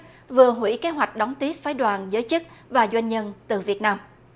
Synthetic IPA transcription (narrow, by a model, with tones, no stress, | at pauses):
vɨ˨˩əɦwḭ˧˥ke˨˦ɦwa˨˩jk̟̚ɗɔ˨˦wŋ͡mt̪i˦˥əp̚faː˨˦jɗwaː˨˩nzəː˨˦jt͡ɕɨ˦˥k̚vaː˨˩zwa˧jŋ̟ɲə˧nt̪ɨ˨˩vi˨˩ət̚naː˧m